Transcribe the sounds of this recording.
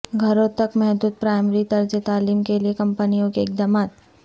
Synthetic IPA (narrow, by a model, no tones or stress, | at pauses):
ɡʱɐɾõt̪ɐkmɛɦd̪uːd̪̚pɾaːɪmɾit̪ɐɾd͡ʒet̪aːliːmkeliekɐ̃mpənijõkeɪk̚d̪aːmaːt̪